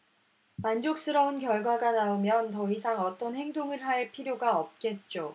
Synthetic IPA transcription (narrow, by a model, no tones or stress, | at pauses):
mand͡ʑok̚s͈ɯɾʌunkjʌɭɡwaɡanaomjʌntʌisʰaŋʌt͈ʌnhe̞ŋdoŋɯɭɦaɭpʰiɾjoɡaʌp̚k͈e̞t̚t͡ɕ͈o